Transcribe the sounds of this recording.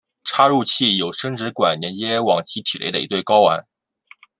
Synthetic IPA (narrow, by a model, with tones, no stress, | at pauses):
ʈ͡ʂʰa˥ɻu˥˧t͡ɕʰi˥˩jo˨˩ʊʂɤ˥ŋʈ͡ʂɻ̩˧˥kwa˨˩nnɛ˧˥njɛ˥wɑ˨˩ŋt͡ɕʰi˧˥t̪ʰi˨˩lḛ˧˥ɪd̪ə˧i˧˥t̪we˥˩ɪkɑ˥ʊwa̰˧˥n